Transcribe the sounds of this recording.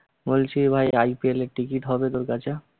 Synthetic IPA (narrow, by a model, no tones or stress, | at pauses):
bolt͡ɕʰibʱajajpieleʈikiʈɦɔbet̪oɾkat͡ɕʰe